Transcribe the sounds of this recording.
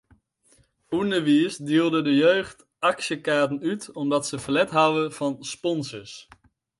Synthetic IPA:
unəʋisdiːlˠdədəjøɥχt | ɑksjəkaːɹtənytɔmdɑtsəvəlɛtɦawəv̥ɑnspɔnsəɹs

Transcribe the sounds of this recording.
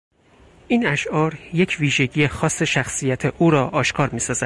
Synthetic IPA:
ʔiːnæʃʔɒːɾje̞cʰviːʒe̞ɟijexɒːsːe̞ʃæxsijæt̪ʰe̞ʔuːɾɒːʔɒːʃkʰɒːɾmiːsɒːzæ

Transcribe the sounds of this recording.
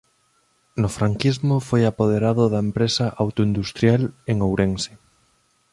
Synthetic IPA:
nʊfɾaŋkizmofojapoð̞eɾaðoðaempɾesaʔawt̪oind̪ust̪ɾjaleŋowɾeŋse̥

